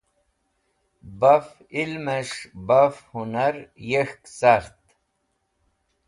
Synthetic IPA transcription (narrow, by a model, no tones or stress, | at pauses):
bɐf | ilmeʂbɐfhunɐɾjexksaɾt̪